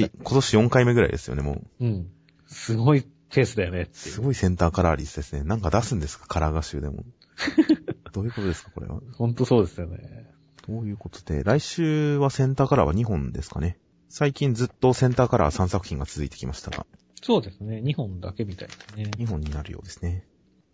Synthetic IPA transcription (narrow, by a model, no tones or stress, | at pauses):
ikʰo̞t̪o̞ɕijõ̞ŋkaime̞ɡɯɾa̰ḭd̪esɨjo̞̰ne̞mo̰ːɯ̟̃ɴ | sɨɡo̞i | t̪ʰe̞ːsɨd̪ajo̞net̪ːsesɨɡo̞isẽ̞nt̪aːkaɾaːɾʲisɨd̪e̞sɨne̞nãŋkad̪asɨ̃nd̪e̞sɨ̥kḁkʰaɾaɡaɕɨːd̪e̞̰mo̰ | d̪̥o̞ːjɯ̟ko̞t̪oe̞sɨ̥kḁko̞ɾe̞̰βa̰hõ̞nt̪oso̞ːd̪e̞sɨjonḛ | d̪̥oːjɯ̟ːko̞t̪o̞̥d̪̥e̞̰ɾaiɕɨːβasẽ̞nt̪aːkaɾa̰βaɲ̟iɦõ̞nd̪e̞sɨ̥kane̞ | saikʲĩnd͡zɨt̪ːo̞sẽ̞nt̪aːkaɾa̰βasãɰ̃sakɯ̟̥çĩŋɡat͡sɨzɨit̪e̞kʲimaɕi̥t̪aɡa̰ | soːd̪e̞sɨneɲ̟ihõ̞nd̪ake̞mʲit̪aid̪esneɲiɦõ̞ɲ̟ːinaɾɯ̟̰jo̞̰ːd̪e̞sɨ̥ne̞